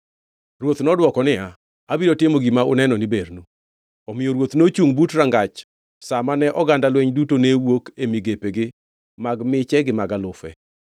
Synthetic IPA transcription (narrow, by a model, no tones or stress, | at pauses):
rwot̪nɔdwɔkɔnɪa | abidotɪmoɡimaʊnɛnɔnɪbeɾnu | ɔmɪjoɾwot̪not͡ʃuŋbutɾaŋɡat͡ʃ | samanɛʔɔɡandalwɛɲdutonewokemiɡepeɡɪ | maɡmɪt͡ʃɛɡɪmaɡalʊfɛ̰